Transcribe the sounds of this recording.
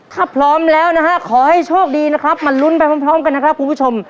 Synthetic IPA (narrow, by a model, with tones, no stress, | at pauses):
t̪ʰaː˥˩pʰɾɔː˦˥mlɛː˦˥wna˦˥kʰa˦˥kʰɔː˩˦ha˥˩jt͡ɕʰoː˥˩k̚diː˧na˦˥kʰɾa˦˥p̚ma˧nlu˦˥npa˧jma˦˥˩pʰɾɔː˦˥mka˧nːa˦˥kʰɾp̚kʰu˧npʰuː˦˥˩o˧m